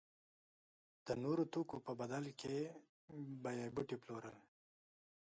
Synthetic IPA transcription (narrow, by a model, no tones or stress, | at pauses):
d̪̥ənoɾot̪okopəbad̪alkʰe | bajabʊʈiploɾəl